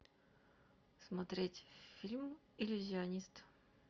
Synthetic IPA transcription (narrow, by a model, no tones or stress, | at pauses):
smɐt̪ɾʲetʲfʲilʲm | ɪlʲʊzʲɪɐnʲist̪